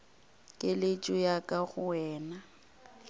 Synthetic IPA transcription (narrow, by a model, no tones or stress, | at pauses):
kʼɪlɪt͡ʃʼʊjakʼaɣʊɛːna